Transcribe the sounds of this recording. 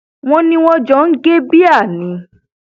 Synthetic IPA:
w̃ɔ̃˦nĩ˦w̃ɔ̃˦d͡ʒɔ̃˦n̩˦ɡe˦bi˦a˦˨nĩ˨˦

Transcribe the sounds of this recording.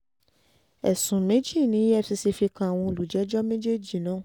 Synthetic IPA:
ɛ̰˨sũ˨mẽ˦d͡ʒi˦˨nĩ˨˦ɛ˦˨si˧si˧fi˧kã˨w̃ɔ̃˧o˧˨lu˨d͡ʒɛ˨˦d͡ʒɔ˦mẽ˦d͡ʒe˦d͡ʒi˨nã˨˦˨

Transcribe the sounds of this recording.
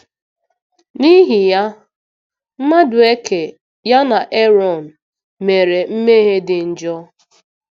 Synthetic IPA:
ni˦ɦi˨ja˦ | m̩˦ma˦dʊ˨e˦ke˨ | ja˦na˨ʔe˦ɾɔ˨n̩˨ | me˨ɾe˨m̩˦me˦ɦe˦dɪ˨n̩˨d͡ʒɔ˦

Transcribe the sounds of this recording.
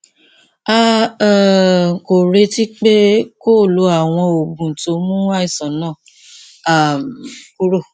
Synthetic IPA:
a˦˨ | ŋ̩˨ko˨ɾe˧ti˦k͡pe˦ko˦˨lo˧˦a˨w̃ɔ̃˧o˨bũ˨to˨˦mũ˦wa˦i˦˨sã˨˦nãː˦˨ | a˨ku˦ɾo˦˨

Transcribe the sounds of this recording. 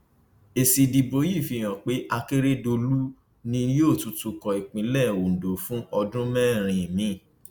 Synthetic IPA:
e˨si˨di˨bo˨˦ji˦˨fi˧˦˨j̃ã˨k͡pe˨˦ʔa˧ke˦ɾe˦do˧lu˦ | nĩ˧˦oː˦˨tu˨˦tu˧kɔ˨i˨k͡pĩ˨˦lɛ˦˨wo˨n̩˨do˨˦fũ˦ʔɔ˧dũ˦mɛ̃˦˨ɾ̃ĩ˨mĩ˨˦˨

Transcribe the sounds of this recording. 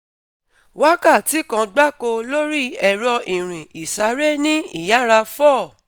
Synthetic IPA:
wa˦ka˦˨ti˨˦kã˧ɡ͡ba˦ko˧lo˦ɾi˦ɛ˨ɾɔ˧ʔĩ˨ɾ̃ĩ˨ʔi˨sa˨˦ɾe˦nĩ˦ḭ˦˨ja˨˦ɾa˧fɔ˦˨

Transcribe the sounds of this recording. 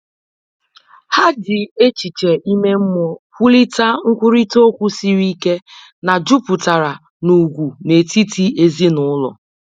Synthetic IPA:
ha˦dɪ˨e˦t͡ʃi˨t͡ʃe˨ʔi˦me˦m̩˦mɔ˦kʷu˦li˦ta˦ŋ̩˦kʷu˦ɾi˦to˦kʷu˦si˦ɾi˦ke˦ | na˨d͡ʒu˦pʊ˨ta˨ɾa˨ | nu˨ɡʷu˨ne˨ti˦ti˦e˦zi˦nʊ˦lɔ̰˨

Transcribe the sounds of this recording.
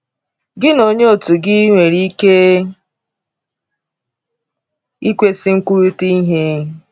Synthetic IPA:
ɡɪ˦no˨ɲe˦o˨tu˨ɡɪ˦ŋʷe˨ɾi˦ke˦ | i˦kʷe˦sɪ˦ŋ̩˦ku˦ɾu˦ti˦i˦ɦe˦

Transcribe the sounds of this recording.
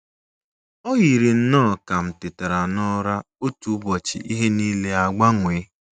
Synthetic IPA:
ɔ˦ɣi˨ɾi˨n̩˦nɔː˦˨ka˨m̩˨tɪ˨te˨ɾa˨nɔ˦ɾa˦ | o˦tu˦bɔ˨t͡ʃḭ˨ʔi˦ɦe˦niː˦le˦a˨ɡ͡ba˦ŋʷe˨˦

